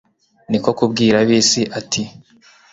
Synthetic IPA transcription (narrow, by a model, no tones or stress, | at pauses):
niko̞kubɡiːɾaβiːsiʔatʰi